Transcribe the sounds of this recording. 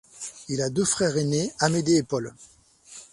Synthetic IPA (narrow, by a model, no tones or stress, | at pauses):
ilad̪øfχɛʁeneamed̪eːpɔl